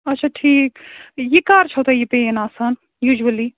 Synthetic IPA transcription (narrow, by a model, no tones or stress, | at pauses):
ɐtːt͡ʃʰaʈʰiːkjikaːɾt͡ʃʰɐwt̪ajipejenaːsaːn | juːd͡ʒuəli